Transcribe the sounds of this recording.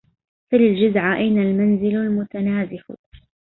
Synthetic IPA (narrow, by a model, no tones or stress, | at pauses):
falɪld͡ʒʊzʕaʔajnalmanzɪllmʊt̪anaːzɪħʊ̰